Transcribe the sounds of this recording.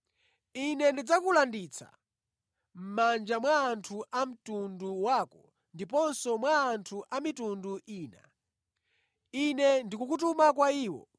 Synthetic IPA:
inɛndid͡zakulandit͡sʰa̰ | m̩mand͡ʒamwaːntʰuʔam̩tunduwaːkɔ | ndipɔnsɔmwaːntʰuʔamitunduʔiːna̰ | inɛndikukutumakwaiːwɔ̰

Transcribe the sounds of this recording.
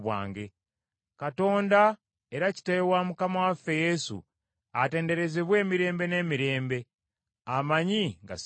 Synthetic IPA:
βwa̰ːŋɡe̞ | kato̞ːnda | e̞ɾaci̥teewamukamawafe̞je̞sṵ | ate̞ːnde̞ɾe̞zeβwe̞ːmiɾe̞ːmbe̞ne̞ːmiɾe̞ːmbe̞ | amaɲiŋɡa̰s

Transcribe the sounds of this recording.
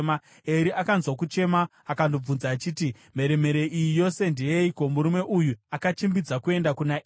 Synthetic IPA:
ma | e̞ɾiʔakanzwakut͡ʃe̞maːkando̞b͡vunzaːt͡ʃiːti | me̞ɾe̞me̞ɾe̞ʔijijo̞se̞ndejeiko̞muɾume̞ʔujuakat͡ʃimbid͡zakue̞ndakuna

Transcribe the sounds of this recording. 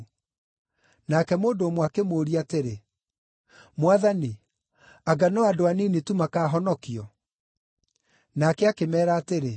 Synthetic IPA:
nakɛmoːndoːmwakemoːɾiateɾe | mwaðani | aɡanɔadoaninetumakaːɦɔnɔkiɔ | nakɛakemɛːɾaːteɾe

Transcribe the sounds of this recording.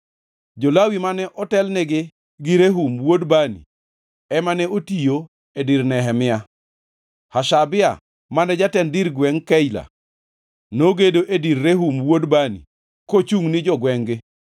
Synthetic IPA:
d͡ʒolawimanɛʔɔtɛlnɛɡɪ | ɡɪɾeɦumwodbanḭ | ɛmanɛotijo | ediɾnɛɦɛmɪa | haʃabɪa̰ | manɛd͡ʒatɛndiɾɡwɛŋkɛjla̰ | noɡedoʔedirːeɦumwodbanḭ | kot͡ʃuŋnɪd͡ʒɔɡwɛŋɡɪ

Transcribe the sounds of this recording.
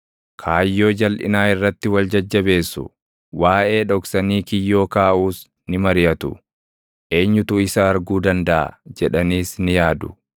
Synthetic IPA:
kʰaːjːo̞ːd͡ʒɐlʔɪ̰naːɪrːɐt̪ːɪwɐld͡ʒɐd͡ʒːɐbe̞ːsːʊ̰ | waːʔe̞ːᶑɔksɐniːkɪjːo̞ːkaːʔuːs | nɪmɐɾɪjɐt̪ʊ | ʔe̞ːɲːʊt̪ʊɪsɐːɾɡuːd̪ɐnd̪ɐʔɐ̰d͡ʒɛᶑɐniːsnɪjaːd̪ʊ̥

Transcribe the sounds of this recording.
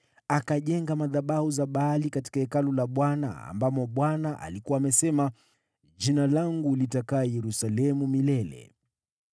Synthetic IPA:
akaʄɛŋɡamaðaɓahuzaɓaːlikati̥kaɛkalɔlaɓwana̰a̰mbamɔɓwanaʔa̰likuaːmɛsɛma | ʄinalaŋɡulitakaːjɛɾusalɛmumilɛlɛ̰

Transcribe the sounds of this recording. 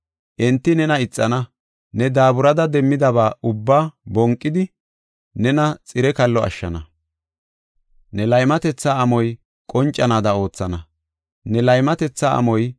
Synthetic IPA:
ʔɛnt̪ːɪnɛnɐɪt͡sʼːɐnɐ | nɛd̪aːbʊɾɐd̪ɐd̪ɛmːɪd̪ɐβaːʊbːaːbɔŋkʼːɪd̪ɪ | nɛnɐt͡sʼɪɾɛkɐlːɔɐ̰ʃːɐnɐ | nɛlɐjmɐt̪ɛt͡sːaːmɔj | kʼɔnt͡ʃʼːɐnaːd̪ɐo̞ːt͡sːɐnɐ | nɛlɐjmɐt̪ɛt͡sːaːɐ̰mɔj

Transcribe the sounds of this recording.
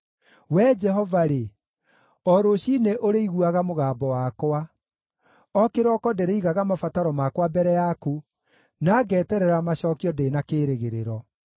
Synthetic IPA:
wɛd͡ʒɛɦɔvaɾe | ɔɾoɕineʔoɾeiɣuaɣamoɣaːbɔwakwa | ɔkeɾɔkɔdɛɾeiɣaɣamafataɾɔmakwabɛɾɛjaku | naːɡɛːtɛɾɛɾamaɕɔkiɔdeːnakeɾeɣeɾeɾɔ

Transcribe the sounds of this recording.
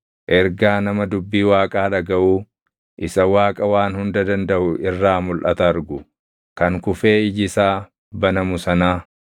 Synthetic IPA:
ʔɛɾɡaːnɐmɐd̪ʊbːiːwaːkʼaːᶑɐɡɐʔuː | ʔɪsɐwaːkʼɐwaːnhʊnd̪ɐd̪ɐnd̪ɐʔʊʔɪrːaːmʊlʔɐt̪ɐɐɾɡʊ | kɐŋkʊfe̞ːɪd͡ʒɪsaː | bɐnɐmʊsɐnaː

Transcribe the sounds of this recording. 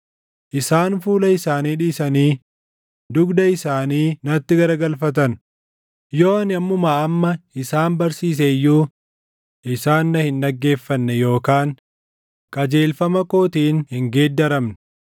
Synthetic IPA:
ʔɪsaːnfuːlɐɪsaːniːᶑiːsɐniː | d̪ʊɡd̪ɐɪsaːniːnɐt̪ːɪɡɐɾɐɡɐlfɐt̪̬ɐn | jo̞ːɐnɐmːʊmaːɐmːɐɪsaːnbɐɾsiːs̬ɛjːuː | ʔɪsaːnːɐhɪnᶑɐɡːe̞ːfːɐnːɛjo̞ːkaːŋ | kʼɐd͡ʒe̞ːlfɐmɐko̞ːt̪iːnhɪŋɡeːd̪ːɐɾɐmnɛ̥

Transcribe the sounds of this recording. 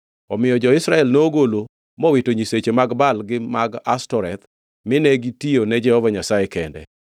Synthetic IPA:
ɔmɪjɔd͡ʒɔɪsɾaɛlnooɡolo | mɔwitoɲiset͡ʃemaɡbalɡɪmaɡastɔɾɛt̪ | mɪnɛɡitionɛd͡ʒɛhɔvaɲasajekɛndɛ̰

